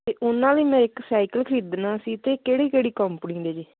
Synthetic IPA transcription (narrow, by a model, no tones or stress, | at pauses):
t̪eːʔʊnãːləiːmɛ̃ːɪksaːikəlkʰɾiːd̪nãːsiːt̪eːkeːɽiːkeːɽiːkɔmpnĩːd̪eːd͡ʒiː